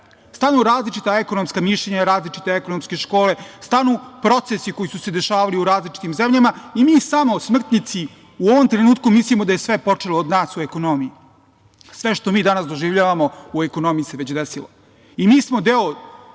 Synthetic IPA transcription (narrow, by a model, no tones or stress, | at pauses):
st̪anuɾaːzlit͡ʃit̪aeko̞nomskamiʃlʎeɲaɾaːzlit͡ʃi̥t̪e̞eko̞nomske̞ʃko̞ːle̞st̪anupɾo̞t̪sesiko̞jisuse̞d̪e̞ʃaːʋaliuɾaːzlit͡ʃi̥t̪imzemʎamaimiːsamo̞smr̩t̪nɲit̪si | uo̞ʋomt̪ɾenuːt̪kumislimod̪ajesʋe̞po̞t͡ʂeloːd̪naːsue̞ko̞no̞mii | sʋe̞ʃt̪o̞miːd̪anasd̪o̞ʒiʋʎaːʋamo̞ueko̞no̞mijiseʋet͡ɕd̪esilo̰ | imiːsmo̞d̪e̞o